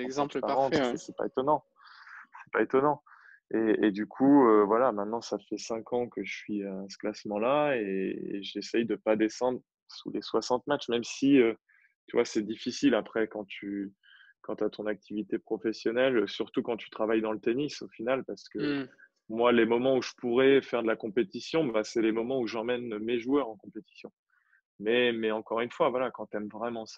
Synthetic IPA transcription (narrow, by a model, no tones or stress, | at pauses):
z̃paaʁɑ̃t̪ɛsɛpa̰et̪ɔnɑ̃ | sɛ̥paet̪ɔnɑ̃ | eed̪ykʰuøvwalamɛ̃t̪nɑ̃safɛsɛ̃kʰɑ̃kəʒəsɥisə̥klasmɑ̃laeḛʒesɛjd̪əpad̪esɑ̃d̪ʁ | sṵleswasɑ̃t̪matt͡ʃmɛmsiø | t̪yvwasɛd̪ifisilapχɛkɑ̃t̪ʰy | kɑ̃t̪yat̪ʰɔ̃nak̚t̪ʰivit̪epχɔfɛsjɔnɛlsyʁt̪ukɑ̃t̪y̥t̪χavajd̪ɑ̃lət̪enisofinalpaʁsə̥kə | mwalemɔmɑ̃uʒəpuʁɛfɛʁd̪əlakɔ̃pet̪isjɔ̃basɛlemɔmɑ̃uʒɑ̃mɛnmeʒuœʁɑ̃kɔ̃pet̪i̥sjɔ̃ | mɛmɛɑ̃kɔʁynfwavwalakɑ̃t̪ɛmvʁɛmɑ̃sḁ